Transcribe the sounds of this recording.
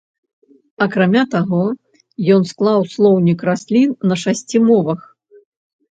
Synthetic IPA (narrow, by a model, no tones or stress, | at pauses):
ɐkɾamʲat̪aɣɔ | jɔnsklˠawslˠɔwnʲikrasʲlʲinːɐʂasʲt͡sʲimɔvɐx